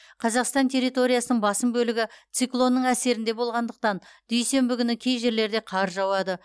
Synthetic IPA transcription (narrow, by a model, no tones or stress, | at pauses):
qʰɑzɑqst̪ɑnt̪ʰe̞ɾːijt̪o̞ɾijasənəɴbɑsəmbɵlɪɡʲɪt̪siklˠo̞nːəɴæse̞ɾɪnd̪e̞bo̞lˠʁɑnd̪əq̚t̪ɑnd̪̥ɵjse̞mbɪkʲʏnɪkʲʰe̞jʒe̞ɾle̞ɾd̪e̞qʰɑɾʒɑwɑd̪ə